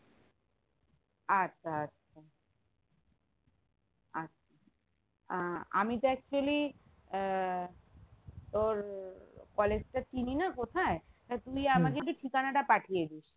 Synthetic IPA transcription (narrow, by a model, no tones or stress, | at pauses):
atːɕʰaatːɕʰa | atːɕʰa | aa̰mit̪oɛk̚t͡ɕuali | t̪oɾkɔled͡ʑʈat͡ɕininakot̪ʰae | t̪at̪ujamaɾd͡ʑeʈuʈʰikanaʈapaʈʰijed̪iʃ